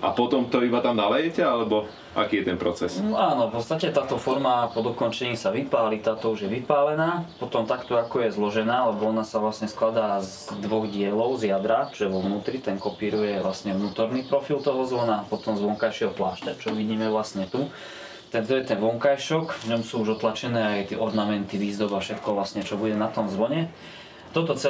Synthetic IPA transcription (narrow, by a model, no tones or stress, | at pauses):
ʔa̰pɔt̪ɔmt̪ɔibat̪amnalɛjɛcɛalɛbɔ | ʔa̰kiːjɛt̪ɛnpɾɔt͡sɛsnaːnɔfpɔt̪st̪acɛt̪aːt̪ɔfɔɾmapɔd̪ɔkɔnt͡ʃɛɲiːsaʋipaːlit̪aːt̪ɔuʒjɛʋipaːlɛnaːpɔt̪ɔmt̪akt̪ɔakɔjɛzlɔʒɛnaːlɛbɔɔnasaʋlasɲɛsklad̪aːz | d̪ʋɔɣɟɪɛlɔʊzjad̪ɾaʒɛʋɔʋnuːt̪ɾit̪ɛŋkɔpiːɾujɛʋlasɲɛʋnuːt̪ɔɾnipɾɔfilt̪ɔɦɔzʋɔnapɔt̪ɔmzʋɔŋkajʃɪɛɦɔplaːʃt̪at͡ʃɔʋiɟiːmɛʋlasɲɛt̪u | t̪at̪ɔjɛt̪ɛnʋɔŋkajʃɔkvɲɔmsuːuʒɔt̪lat͡ʃɛnɛːajt̪ɪɛʔɔɾnamɛnt̪iʋiːzd̪ɔbafʃɛt̪kɔʋlasɲɛt͡ʃɔbuɟɛnat̪ɔmzʋɔɲɛ | t̪ɔt̪ɔt͡sɛ